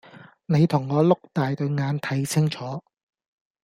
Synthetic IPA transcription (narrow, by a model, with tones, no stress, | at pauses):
ne˨˧jt̪ʰʊ˨˩ŋːɔː˨˧lʊ˥k̚t̪aː˨jt̪ɵ˧ɥŋaː˨˧nt̪ʰɐ˨˥jsʰɪ˥ŋt͡ʃʰɔː˨˥